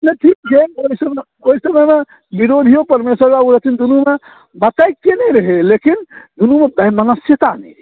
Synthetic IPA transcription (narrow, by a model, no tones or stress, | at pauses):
naʈʰik̚d͡ʒeoisəm | oisəməjme | biɾod̪ʱijopəɾmesəɾɡauɾət̪ʰind̪unume | mət̪əjkkenɛɾəɦelekind̪unumebəmənəsjət̪anɛ̰